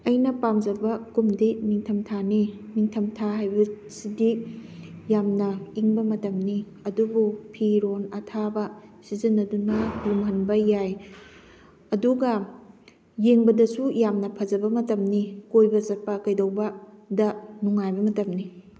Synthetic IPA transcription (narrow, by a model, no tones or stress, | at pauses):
ɐjnɐpamd͡ʒɐbɐkumdimiŋtʰɐmtʰanimiŋtʰɐmtʰaɦajbɐ | sidi | jamnɐiŋbɐmɐtɐmni | ɐdubupʰiɾonɐtʰabɐsizinːɐdunɐɡumɦɐnbɐjaj | ɐduɡɐ | jeŋbɐdɐsujamnɐpʰɐzɐbɐmɐtɐmnikojbɐzɐt̚pːɐkɐjdɐwbɐdɐnuŋajbɐmɐtɐmni